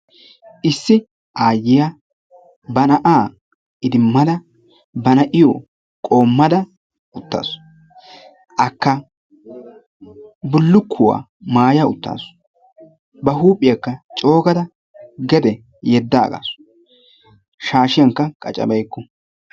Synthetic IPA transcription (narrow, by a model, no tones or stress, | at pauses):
ʔɪsːɪ | ʔaːjːɪja | bɐnɐʔaː | ɪd̪ɪmːɐd̪ɐ | bɐnɐʔɪjo | kʼo̞ːmːɐd̪ɐ | ʊt̪ːa̰ːs | ʔɐkːɐ | bʊlːʊkʰːʊwa̰ː | maːjaʊ̰t̪ːa̰ːs | bɐɦuːpʼːɪjɐkːɐt͡ʃʼo̞ːɡɐd̪ɐ | ɡɛd̪ɛ | jɛd̪ːaːɡa̰ːs | ʃaːʃɪjɐŋkːɐkʼɐt͡ʃʼɐ̰bɐjkːɔ